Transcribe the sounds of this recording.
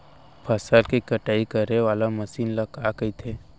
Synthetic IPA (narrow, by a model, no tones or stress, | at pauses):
pʰɐsalkikɐʈaːikəɾeʋaːlaməsiːnləkaːɡəit̪ʰeː